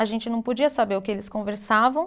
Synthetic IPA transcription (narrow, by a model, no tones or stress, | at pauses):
aʒẽnt͡ʃɪnɐ̃w̃pod͡ʒiɐsabeɾʊkɪelɪskõveɾsavɐ̃w̃